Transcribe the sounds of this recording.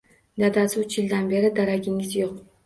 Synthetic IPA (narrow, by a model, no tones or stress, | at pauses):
d̪ad̪asɪʊt͡ʃjɪld̪anbe̞ɾɪd̪aɾaɡʲɪŋɪzjoq